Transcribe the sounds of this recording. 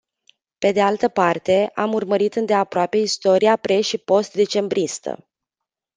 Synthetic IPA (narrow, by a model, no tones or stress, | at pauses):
pe̞d̪e̞alt̪əpart̪e̞amurməɾit̪ɨnd̪e̞apɾoape̞ist̪o̞ɾiapɾe̞ʃipo̞st̪̚d̪e̞t͡ʃe̞mbɾʔist̪ə̰